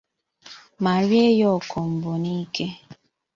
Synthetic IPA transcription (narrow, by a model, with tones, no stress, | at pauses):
ma˨ɾje˦jɔ˦˨kɔ˨m̩˨bo˨ni˦kʰe˦